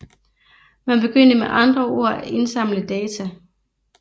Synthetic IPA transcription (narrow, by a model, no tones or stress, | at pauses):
mænb̥e̝ɡ̥øn̰d̥əmeʔɑ̈nd̥ʁɐo̝ɐ̰æʔe̝nsɑ̈m̰ləd̥ɛːt͡sʰæ